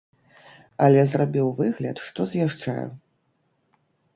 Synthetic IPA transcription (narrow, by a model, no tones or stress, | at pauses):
ɐlʲɛzrabʲiwvɨɣlʲɐ̰t̪ʂt̪ɔzjaʂt͡ʂa̰jṵ